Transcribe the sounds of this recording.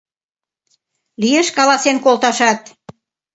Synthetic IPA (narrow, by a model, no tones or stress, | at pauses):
lijeʃkɑlɑsenkolt̪ɑʃɑt̪